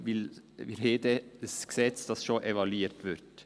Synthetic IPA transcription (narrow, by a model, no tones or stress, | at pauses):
ʋɪl | ʋɪheːd̪ədəsksɛt͡sd̥ɑsʃoːʔeʋɑliːɾt̪ʋɪɾt